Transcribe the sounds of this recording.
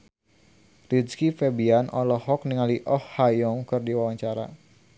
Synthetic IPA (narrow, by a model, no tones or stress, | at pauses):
ridskifɛbianɔlɔhɔk̚niŋaliʔɔhhajɔŋkɨrdiwawaɲt͡ʃaɾa̰